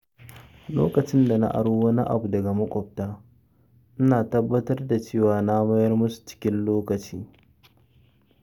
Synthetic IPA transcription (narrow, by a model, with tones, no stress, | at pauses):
loː˦kɐ˨t͡ʃɪ˦nda˨na̰˦ʔa̰˨ɽoː˦wɐ˦ni˦ʔa̰˨bu˨dɐ˨ɡa˨mɐ˦kʷʼɔ˨ɸ̚taː˦ | ʔɪ˦naː˨tɐ˦bːɐ˦tɐ˦rda˨t͡ʃeː˦˨waː˨na˦mɐ˦jɐ˦rmʊ˦su̥˨t͡ʃɪ̥˦kʲɪ˦nloː˦kɐ˨t͡ʃiː˦